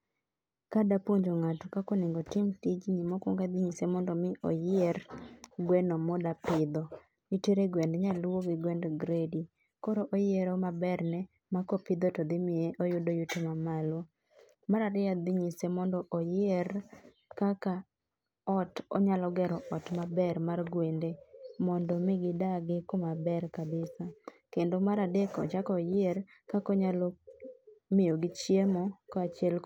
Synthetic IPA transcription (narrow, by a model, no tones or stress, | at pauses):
kadapoɲd͡ʒoŋatɔkakonɪŋɡɔtɪmtid͡ʒɲimɔkɔŋɡad̪iɲisemɔndɔmɪʔɔ̰jɪerɡwɛnɔmɔdapɪd̪ɔ | iteɾeɡwɛndɲaloɡɪɡwɛndɡɾedi | kɔɾoʔojeɾɔmabɛrnɛ | makɔpɪd̪otɔd̪ɪmɪeʔojʊdojʊtemamalo | maɾaɾɪad̪ɪɲisemɔndɔʔojeɾ | kaka | ɔtɔ̰ɲalɔɡɛɾɔʔɔtmabɛɾmarɡwendemɔndɔmɪɡɪdaɡɪkomabɛɾkabɪsakendomaɾadekɔ̰t͡ʃakɔjɪer | kakɔɲalo | mɪjoɡɪt͡ʃjemɔkɔat͡ʃɪɛl